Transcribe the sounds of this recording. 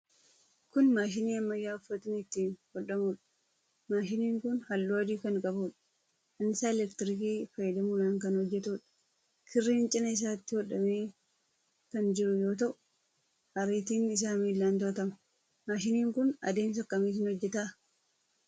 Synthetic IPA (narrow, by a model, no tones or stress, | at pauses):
kʊnmaːʃɪniːɐmːɐjːaːʊfːɐt̪ɪnɪt̪ːiːnhɔᶑːɐmuːᶑɐ̥ | maːʃɪniːŋkʊnhɐlːuːɐd̪iːkɐŋkʼɐbuːᶑɐ̥ | ɐnɪsaːɛlɛkt̪ɪɾɪkiːfɐjːɐd̪ɐmuːlaːŋkɐnhɔd͡ʒːɛt̪uːᶑɐ̥ | kʰɪrːiːnt͡ʃʼɪnɐɪs̬aːt̪ːɪhɔᶑːɐmeː | kɐnd͡ʒɪɾʊjo̞ːt̪ɐʔʊ̥ | hɐɾiːt̪iːnɪs̬aːmiːlːaːnt̪oːt̪ɐmɐ | maːʃɪniːŋkʊnɐ̰d̪e̞ːms̬ɐkːɐmiːs̬ɪnhɔd͡ʒːɛt̪aː